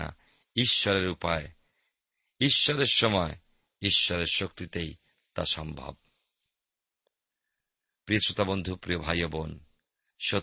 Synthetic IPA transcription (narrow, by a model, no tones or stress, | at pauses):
a̰ | iʃːɔɾeɾupae | iʃːɔɾeɾʃɔmɔe | iʃːɔɾeɾʃokt̪it̪ej | t̪aʃɔmbʱa̰b̚ | pɾiosot̪abond̪ʱupɾiobʱajobon | ʃo